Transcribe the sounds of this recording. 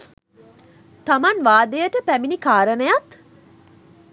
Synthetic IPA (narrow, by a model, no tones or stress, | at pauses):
t̪amanʋaːd̪əjəʈəpæminikaːɾənəjat̪